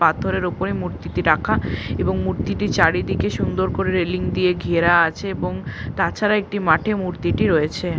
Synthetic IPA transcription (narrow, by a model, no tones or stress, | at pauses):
pat̪ʰoɾeɾopoɾemuɾt̪iʈiɾakʰaeboŋmuɾt̪iʈit͡ɕaɽid̪ikeʃund̪oɾkoɾeɾeliŋd̪ieɡʱieɾaat͡ɕʰeeboŋt̪at͡ɕʰaɾaek̚ʈimaʈʰemuɾt̪iʈiɾoet͡ɕʰe